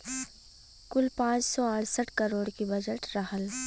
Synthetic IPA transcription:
kʊlpãːt͡ʃsɔaːɽsəʈʰkəɾoːɽkibɐd͡ʒəʈɾaɦəl

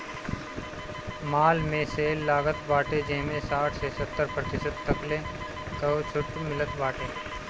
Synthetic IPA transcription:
maːlmẽseːlːaːɡət̪baːʈed͡ʒeɦmẽsaːʈʰsesət̪ːəɾpɾət̪ɪsəd̪̚t̪əkle | kɐt͡ʃʰʊʈmɪlət̪baːʈeː

